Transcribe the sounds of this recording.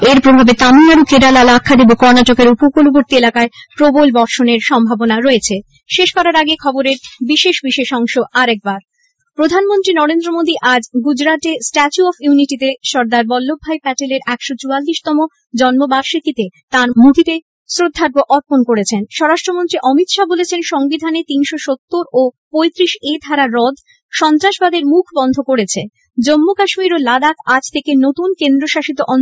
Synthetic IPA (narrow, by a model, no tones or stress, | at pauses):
eɾpɾobʱabet̪amiaɾokeɖalalakʰːad̪ibokɔɾnatokeɾupokoloboɾt̪ielakaepɾobolbɔɾʃoneɾʃɔmbʱabonaɾoet͡ɕʰe | ʃeʃkɔɾaɾaɡekʰɔboɾeɾbiʃeʃbiʃeʃɔŋʃoʔaɾɛk̚baɾ | pɾod̪ʱanmont̪ɾinɔɾend̪ɾomod̪iʔad͡ʑɡud͡ʑɾat̪esʈɛt͡ɕuɔfjuniʈit̪eʃɔɾd̪aɾbɔlːobʱːajpɛʈeleɾɛkʃot͡ɕualːiʃt̪ɔmo | d͡ʑɔnmobaɾʃik̪it̪et̪aɾmuk̪ʰit̪e | sɾod̪ʱːaɡoʔɔɾponkoɾet͡ɕʰenʃɔɾaʃʈɾomont̪ɾiʔɔmit̪ʃabolet͡ɕʰenʃɔŋbid̪ʱanet̪inʃoʃot̪ːoɾopojt̪ɾiʃed̪ʱaɾaɾɔd̪ʱ | ʃɔnt̪ɾaʃbad̪eɾmukʰbɔnd̪ʱokoɾet͡ɕʰe | d͡ʑomːokaʃmiɾolad̪akʰad͡ʑt̪ʰekenot̪unkend̪ɾoʃaʃit̪oʔɔn